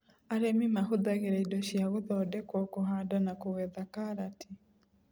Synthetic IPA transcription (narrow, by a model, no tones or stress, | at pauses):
aɾemimaɦoðaɣeɾaidɔʃjaɣoðɔdɛkwɔkoɦadanakoɣwɛðakaɾatʰi